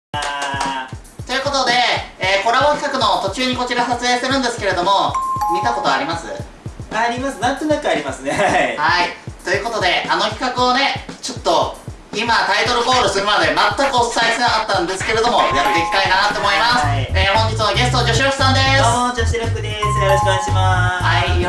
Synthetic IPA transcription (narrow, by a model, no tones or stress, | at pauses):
a | t̪o̞jɯ̟ko̞t̪o̞d̪e̞ːko̞ɾaβokʲi̥kakɯ̟no̞t̪o̞t͡ɕɨːɲ̟iko̞t͡ɕiɾasat͡sɨeːɕi̥t̪eɾɯ̟̃nd̪e̞sɨ̥keɾe̞d̪o̞mo̞mʲit̪ako̞t̪o̞aɾʲimasɨ̰ | aɾʲimasɨnãnt̪onakɯ̟aɾʲimasɨnehait̪o̞jɯ̟ko̞t̪o̞d̪e̞ano̞kʲi̥kakɯ̟one̞t͡ɕo̞t̪ːo̞ | imat̪ait̪o̞ɾɯ̟bo̞ːɾɯ̟sɨɾɯ̟mad̪e̞mat̪ːakɯo̞ssaisenakat̪ːãnd̪e̞sɨ̥ke̞ɾe̞d̪o̞mo̞akɯd̪ekʲi̥t̪ainat̪ːo̞ːmo̞imaseːhõ̞ɲ̟d͡ʑit͡sɨnoɡe̞sɨ̥t̪od͡ʑo̞ɕiɾoɕi̥sãnd̪e̞sd͡ʑoɕiɾakɯd̪esoɾoɕoaɲiɕimahai